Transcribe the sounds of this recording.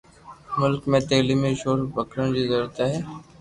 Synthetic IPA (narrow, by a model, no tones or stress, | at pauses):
mʊlkmẽt̪eːlimẽʃoːɾbəkʰɾəñd͡ʑizəɾuːɾt̪aɦɛː